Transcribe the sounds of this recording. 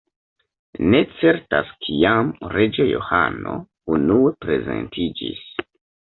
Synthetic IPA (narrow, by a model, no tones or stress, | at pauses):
ne̞t͡se̞ɾtaskʰiamɾe̞d͡ʒejo̞̰ha̰no̞ | unue̞pɾe̞ze̞̰ntid͡ʒis